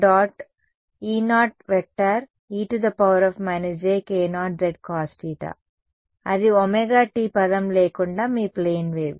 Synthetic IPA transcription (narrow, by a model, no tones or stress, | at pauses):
ɖaːʈ | iːnaːʈ̚ʋek̚ʈːaɾ | iːʈud̪ɐpɐwɐɾɔfmaːned͡ʒeːkeːnaːʈ̚ɾeɖ̚kaːsʈiːʈa̰ | ɐd̪iɔmeɡaːʈiːpɐd̪ɐmleːkuɳɖaːmiːpleːnʋeːʋ